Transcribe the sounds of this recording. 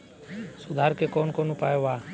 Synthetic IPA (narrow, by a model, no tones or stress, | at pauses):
sʊd̪ʱaːɾkekoːnkoːnũpaːjoʋaː